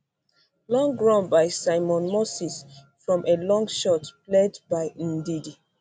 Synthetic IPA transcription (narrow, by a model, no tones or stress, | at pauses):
lɔ̃ŋɡɹɔ̃nbaɪsaɪmɔ̃nmosis | fɹɔ̃mʔelɔ̃ŋɡʃɔtpledbaɪ̃n̩didi